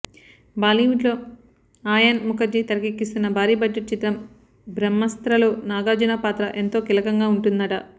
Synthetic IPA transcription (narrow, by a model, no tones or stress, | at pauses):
baːliːʋiʈloː | aːjɐnmukɐd͡ʒit̪ɐɾɐkikːist̪unːɐbʱaːɾiːbɐd͡ʒːɐʈ̚t͡ʃit̪ɐm | bɾɐmːɐst̪ɾɐloːnaːɡaːd͡ʒɐnapaːt̪ɾɐʔe̞nt̪o̞ːkilɐkɐŋɡaːuɳʈund̪ɐʈɐ